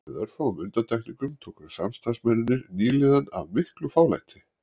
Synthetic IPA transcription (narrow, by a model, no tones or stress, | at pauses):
ðœɾ̥fawʏmʏnt̪ant̪ʰajkniŋkʏmt̪ʰoːkʏsamst̪ansmɛnːʏnːɪɾniːlɪðana̰vmɪhklʏfaːwla̰jt̪ʰɪ̥